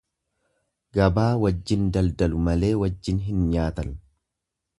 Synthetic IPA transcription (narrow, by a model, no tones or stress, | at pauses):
ɡɐbaːwɐd͡ʒːɪnd̪ɐld̪ɐlʊmɐle̞ːwɐd͡ʒːɪnɦɪnɲaːt̪ɐn